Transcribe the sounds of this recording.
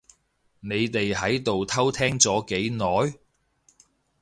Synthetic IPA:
ne˨˧jt̪e˨jhɐ˨˥jt̪o˨wt̪ʰɐ˥wt̪ʰɛː˥ŋt͡sɔː˨˥ke˨˥jnɔː˨˥j

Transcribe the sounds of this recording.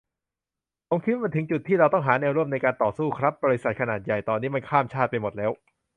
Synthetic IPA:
pʰo˩˦mkʰi˦˥w̚m˧nt̪ɯ˩˦ŋt͡ɕu˨˩t̪ʰːiː˥˩ɾa˧wt̪ɔ˥˩ŋɦaː˩˦nɛː˧wɾu˥˩əmna˧jkaː˧nt̪ɔː˨˩suː˥˩kʰɾa˦˥p̚bɔː˧ɾi˦˥sa˨t̪̚kʰa˧naː˨˩t̪̚ja˨˩jt̪ɔː˧nːiː˦˥ma˧nkʰaː˥˩mt͡ɕʰaː˥˩t̪̚pa˧jmo˨˩t̪̚lɛː˦˥w

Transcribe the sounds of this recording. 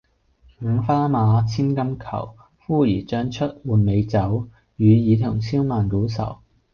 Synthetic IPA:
ŋ̩˨˧ŋfaː˥maː˨˧t͡sʰiː˥nkɐ˥mkʰɐ̰˨˩w | fuː˥jiː˨˩t͡ʃœː˥ŋt͡ʃʰɵ˥t̚wuː˨˩nme˨˧jt͡sɐ˨˥w | jyː˨˧jiː˨˧t̪ʰʊ˨˩ŋt͡sʰiː˥wmaː˨nko˨˥wsɐ̰˨˩w

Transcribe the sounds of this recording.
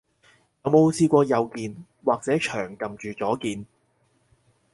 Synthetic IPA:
jɐ˨˧wmo˨˧wsiː˧kʷɔː˧jɐ˨wkiː˨n | waː˨k̚t͡sɛː˨˥t͡ʃʰœ̰ː˨˩ŋkɐ˨mt͡ʃyː˨t͡sɔː˨˥kiː˨n

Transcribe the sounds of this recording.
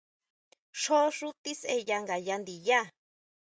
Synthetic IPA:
ʂo˦ʂu˦t̪i˦se˧ja˧ŋɡa˨ja˧nd̪i˨ja˦˨

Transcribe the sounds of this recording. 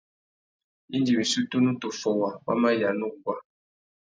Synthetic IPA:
i˦ndi˨wi˨su˦tu˦nũ˦to˨fɔ˨wa˨wa̰˦mã˦ja˨nũ˦ɡwa˦

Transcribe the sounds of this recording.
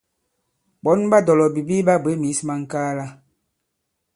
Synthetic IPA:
bɔ˨˦nba˦dɔ˨lɔ˨bi˨bi˦ba˦be˨˦mi˨˦sma˦ŋ̩˨kaː˦la˦

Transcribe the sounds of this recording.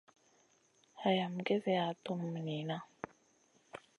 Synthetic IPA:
ha˨ja˨m̩˨ɡe˦ze˨a˨tu˦m˨m˨ni˨na˦

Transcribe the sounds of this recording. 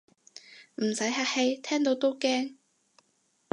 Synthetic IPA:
m̩˨˩sɐ˨˥jɦaː˧˥he˧jt̪ʰɛː˥ŋt̪o˨˧wt̪o˥wkɛː˥ŋ

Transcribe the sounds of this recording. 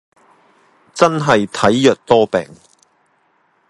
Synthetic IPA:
t͡sɐ˥nɦɐ˨jt̪ʰɐ˨˥jjœː˨k̚t̪ɔː˥pɛ̰ː˨ŋ

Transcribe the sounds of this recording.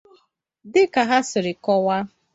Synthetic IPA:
dɪ˦ka˨ɦa˦sɪ˨ɾɪ˨kɔ˦wa˦

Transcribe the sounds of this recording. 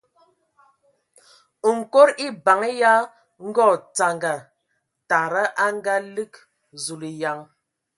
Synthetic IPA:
ŋ̩˨ko˦ɾi˦ba˨ŋ˦ja˦ | ŋ̩˦ɡɔ˦˨t͡sa˨ŋɡa˨ | ta˨ɾa˦ʔa˦ŋ˦ɡa˦li˦k | zu˨li˨ja˨ŋ

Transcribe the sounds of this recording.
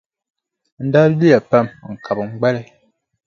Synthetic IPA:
n̩˦da˦li˦ja˨pa˦m˨ŋ̩˨kʰa˨bɨ˨ŋ͡mɡ͡bɛ˦lɛ˦

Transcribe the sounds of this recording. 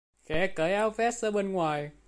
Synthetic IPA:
xɛ̰˨˩˦kəː˨˦jʔaː˧wfɛ˦˥t̚səː˧ɓe˧nŋwaː˨˩j

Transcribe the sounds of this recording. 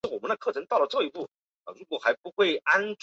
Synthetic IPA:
wɔ˨˩mə˦nd̪ə˧˩kʰɤ˥˩ʈ͡ʂʰɤ˧˥ŋt̪ɑ˥˩ʊlə˩ʈ͡ʂɤ˥˧˩i˧˥pu˥˩ | ə̰˧˩ɻu˧˥kwɔ˨˩xa˧˥ɪpu˧˥xwe˥˩ɪa˥nʈ͡ʂ

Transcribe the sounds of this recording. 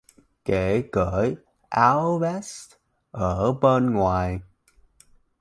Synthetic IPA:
ke˧˩ɣəː˧˩˦j | ʔa˧wvɛ˦˥st̚ | ʔəː˧˩ɓə˧nŋwaː˨˩j

